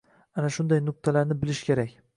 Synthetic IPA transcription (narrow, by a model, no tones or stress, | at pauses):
anaʃʊnd̪ajnʊq̚t̪ʰalaɾnɪbɪlɪʃkʲe̞ɾakʲ